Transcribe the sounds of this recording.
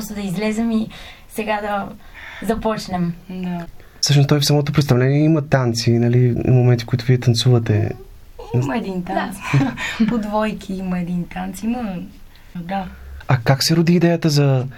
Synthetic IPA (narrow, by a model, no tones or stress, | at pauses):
st̪ʊd̪ɐizlɛzɛmisɛɡad̪ɐ | zɐpɔt͡ʃnɛmd̪a | fsɤʃnʊst̪ɔjfsɐmɔt̪opɾɛt̪st̪ɐvlɛniɛimɐt̪ant̪sinɐlḭmomɛnt̪i̥fkoit̪ʊviɛt̪ɐnt̪suvɐt̪ɛ̰ | mɛd̪int̪aspod̪vɔjkʰiimɐɛd̪int̪ant̪simə | d̪aɐkaksɛɾod̪iːd̪ɛjət̪əzɐ